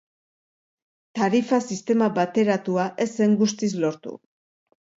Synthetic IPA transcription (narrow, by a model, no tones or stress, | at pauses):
t̪aɾifasist̪e̞mabat̪e̞ɾat̪uaʔe̞se̞ŋɡust̪islo̞ɾt̪ṵ